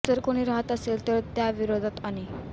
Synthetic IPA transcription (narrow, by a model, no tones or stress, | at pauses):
təɾkoɽ̃iːɾaɦət̪əselt̪əɾt̪jaʋiɾod̪ʱat̪aɽ̃i